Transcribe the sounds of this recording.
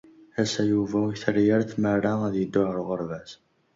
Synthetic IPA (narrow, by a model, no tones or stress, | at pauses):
æsæjuvæuçθəɾjəɾθmərˤːaæðjəd̪ːʊʕəɾʁəɾvæs